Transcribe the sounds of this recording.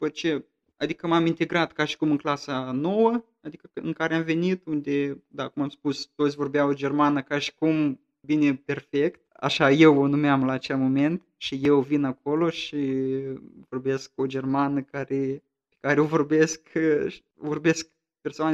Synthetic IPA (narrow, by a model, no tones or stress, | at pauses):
upot̪̚t͡ʃe | a̰d̪ikəmamint̪e̞ɡɾat̪kaʃi̥kumɨŋklasano̞wə | ad̪ikəɨ̰ŋkaɾeamve̞nit̪und̪ʲe̞d̪akumamspust̪ot̪sʲvo̞rbejawod͡ʒe̞rmanəkaʃi̥kum | bine̞pʲe̞rfe̞kt̪̚a̰ʃaje̞wonumeamlaːt͡ʃe̞lmo̞me̞nt̪ | ʃije̞wvinako̞lo̞ʃi | vo̞rbe̞sk̚o̞d͡ʒe̞rmanəkaɾe | pe̥kaɾeovo̞rbe̞sk | vo̞rbe̞sk | pe̞rsoan